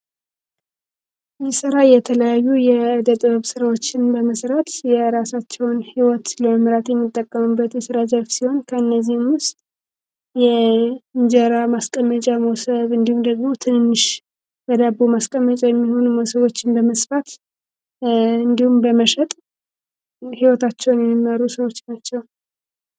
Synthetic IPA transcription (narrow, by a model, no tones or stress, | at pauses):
jɛsɨɾajɛt̪ʰələjajːujɛɨd̪ət̪ʼβəβsɨɾawo̞t͡ʃːɪnbəməsɾət̪jɛɾasat͡ʃːɛwnhiwɔt̪ləməmɾat̪jɛmːɨt̪ʼːəkʼːəmɨbːət̪jɛsɨɾazəlfsiho̞nkʰəɨnːəzːihmʊst̪ | jɛɨɲd͡ʒəɾamaskʼəmːət͡ʃʼamowsəβɨnd̪ihumd̪əɡmo̞t̪ʰɨnɨnːɨʃ | bəd̪abːumaskʼəmːət͡ʃʼajɛmːiho̞numəwsəβo̞t͡ʃːɪnbəməsfat̪ | ɨnd̪ihumbəməʃɛt̪ʼ | hiwɔt̪at͡ʃːɛwnjɛmːimːəɾusəwot͡ʃːnat͡ʃːɛw